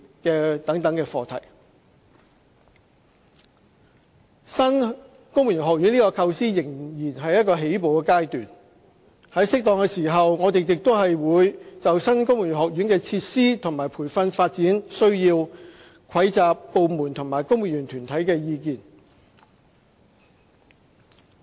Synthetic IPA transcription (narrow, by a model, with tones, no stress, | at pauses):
kɛː˧t̪ɐ˨˥ŋt̪ɐ˨˥ŋkɛː˧fɔː˧t̪ʰɐ˨˩j | sɐ˥n | kʊ˥ŋwu˨˩yː˨˩ɦɔː˨k̚jy˨˥nliː˥kɔː˧kʰɐ˧wsiː˥jɪ˨˩ŋjiː˨˩nɦɐ˨jɐ˥t̚kɔː˧ɦe˨˥jpo˨wkɛ˧kaː˥jt̪yː˨˩n | hɐ˨˥jsɪ˥k̚t̪ɔː˨ŋkɛː˧siː˨˩ɦɐ˨wŋɔː˨˧t̪e˨jjɪ˨k̚t̪o˥wɦɐ˨jwuː˨˧jt͡sɐ˨wsɐ˥nkʊ˥ŋmu˨˩ny˨˩ɦɔː˨k̚jy˨˥nkɛː˧t͡sʰiː˧t̚siː˥t̪ʰʊ˨˩ŋmaː˨˩jpʰuː˨˩jfɐ˧nfaː˧t̚t͡siː˨˥nsɵ˥ɥjiː˧w | kʰɐ˨˥jt͡saː˨pːo˨˧wmuː˨˩nt̪ʰʊ˨ŋmaː˨˩jkʊ˥ŋmwuː˨˩nyː˨˩nt̪ʰyː˨˩nt̪ʰɐ˨˥jkɛː˧jiː˧kiː˨˩n